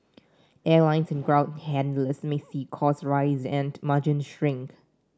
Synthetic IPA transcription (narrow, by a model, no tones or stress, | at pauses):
ɛlãɪ̃nsɛ̃nɡɹãʊ̃nhɛ̃ndləsmesiːkʰɔsɹaɪzɛ̃nmad͡ʒə̃nʃɹɪ̃ŋk